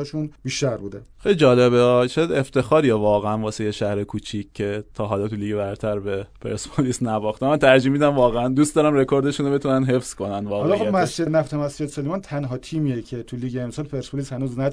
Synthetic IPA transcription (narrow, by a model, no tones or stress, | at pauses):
ʃunbiːʃt̪æɾbuːd̪exejlʲid͡ʒɒːleβeɒt͡ʃʰejæd̪eft̪ʰe̞xɒːɾijevɒːɣeænvɒːsejeʃæhɾekʰuːt͡ʃʰicʲʰːe̞t̪ʰɒːɦɒːlɒt̪ʰuliːɟebæɾt̪ʰæɾbe̞pʰḛɾspʰolisnæbɒxt̪emænt̪ʰæɾd͡ʒiːmiːd̪ænvɒːɣeænd̪uːst̪d̪ɒːɾæmɾe̞kʰo̞ɾd̪e̞ʃunobe̞t̪unænɦe̞fskʰo̞nænvɒːɣɒlɒobmæsd͡ʒenæft̪ʰemæsd͡ʒed̪selimɒnt̪ʰænɦɒt̪ʰiːmiecʰe̞t̪ʰuliːɡeːmsɒːlpʰeɾspolishænuːznæ